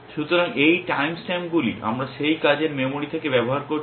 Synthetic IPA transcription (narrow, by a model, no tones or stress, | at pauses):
ʃut̪oɾaŋejʈajmsʈɛmɡulḭʔa̰mɾaʃejkad͡ʑeɾmemoɽit̪ʰekebɛboɦaɾkoɾ